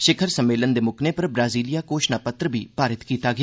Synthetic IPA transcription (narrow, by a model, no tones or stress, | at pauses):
ʃɪkʰəɾsəmːeːlənd̪eːmʊkʰneːpəɾbɾaːziːlijaːkoːʃnaːpət̪ɾəbiːpaːɾɪt̪kiːt̪aːɡɪa